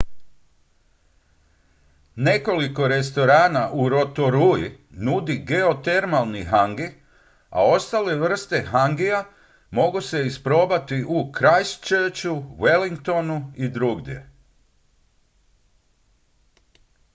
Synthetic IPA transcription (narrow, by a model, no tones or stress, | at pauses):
ne̞ko̞liko̞ɾe̞st̪o̞ɾaːnaʔuɾo̞t̪o̞ɾujinud̪iɡe̞ot̪e̞ɾmalˠniɦaŋɡi | a̰o̞st̪ale̞ʋr̩st̪e̞ɦaŋɡia | mo̞ɡuse̞ispɾo̞ːbat̪iʔukɾajst͡ʃəːt͡ʃuwe̞liŋkt̪o̞nuid̪ɾuɡd̪je̞̰